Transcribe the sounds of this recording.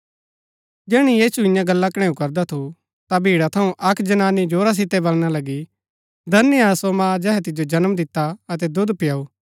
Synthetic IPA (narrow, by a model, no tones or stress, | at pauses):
d͡ʒɛːɽ̃ijiːsuɪ̃jãɡɐlːakɽ̃ẽːũkɐɾd̪at̪ʰu | t̪abʱiːɽat̪ʰɐũʔɐkd͡ʒɐnaːnːid͡ʒoːɾas̬ɪt̪ːɛbɐlɽ̃alɐɡi | d̪ʱɐnːəjaːsomãːd͡ʒɛːɦɛt̪ɪd͡ʒod͡ʒɐnmd̪ɪt̪ːaɐt̪̬ɛd̪ʊd̪pɪjaːuː